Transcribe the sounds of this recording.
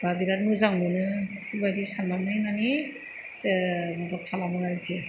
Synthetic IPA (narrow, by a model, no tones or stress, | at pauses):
b̥abiɾatmɯzaŋmɯnɯkʰulbajdisanːamnɯjmani | mabakʰalamɯaɾɯki